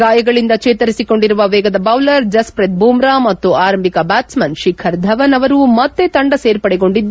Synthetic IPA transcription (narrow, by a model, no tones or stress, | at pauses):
ɡaːjɐɡɐɭind̪ɐt͡ʃeːt̪ɐɾisiko̞ɳɖiɾuʋɐʋɛːɡɐd̪ɐbɐwlɐɾd͡ʒɐspɾet̪̚buːmɾaːmɐt̪ːuaːɾɐmbʱikɐbaːt̪smɐnʃikʰɐɾd̪ʱɐʋɐnɐʋɐɾumɐt̪ːe̞t̪ɐɳɖɐseːɾpɐɽɛɡo̞ɳɖid̪ː